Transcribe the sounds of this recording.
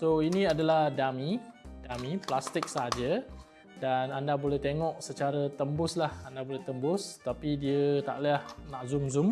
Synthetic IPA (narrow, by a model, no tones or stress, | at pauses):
soinĩadalahdamid̥amiplast̪ɪk̚səɦad͡ʒə | danandabolɛht̪eŋɔk̚sət͡ʃaɾət̪əmbʊslahandabolɛht̪əmbʊst̪apidiət̪a̰ʔliahnaʔzumzum